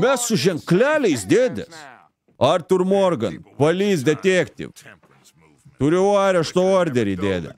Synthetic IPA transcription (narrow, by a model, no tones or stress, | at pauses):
mʲɛsʊʒʲɛŋklʲæːlʲɛɪsd̪ʲeːd̪ʲɛ̰s | ɐɾt̪ʊɾmoːrɡɐnpɐlʲiːs̬d̪ʲɛt̪ʲeːkt̪ʲḭʋ | t̪ʊɾʲɛɑːɾʲɛʃt̪ooːɾʲd̪ʲɛɾʲid̪ʲeːd̪ʲɛ̰